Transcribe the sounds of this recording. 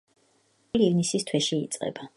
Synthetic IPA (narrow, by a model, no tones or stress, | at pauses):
liːvnisist̪ʰwɛʃiːt̪sʼqʼɛ̰ba